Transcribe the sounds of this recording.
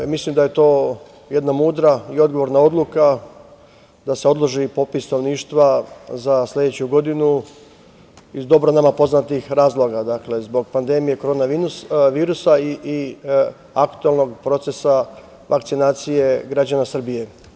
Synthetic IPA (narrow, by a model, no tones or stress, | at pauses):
mislimd̪aje̞t̪o̞ː | je̞d̪namuːd̪ɾaio̞d̪̚ɡoʋo̞ɾnao̞d̪luka | d̪ase̞o̞d̪lˠoʒipo̞pisnoʋniːʃt̪ʋazaslʲe̞d̪et͡ɕuɡo̞d̪inu | izd̪o̞bɾonamapo̞znat̪ixɾaːzlˠo̞ɡad̪akle̞zbo̞ɡ̚pand̪e̞mije̞ko̞ɾo̞ːnaʋiːɾusaii | akt̪uelˠno̞ɡpɾo̞t̪se̞sa | ʋʔakt̪sinaːt̪sije̞ɡɾad͡ʑanasr̩bije̞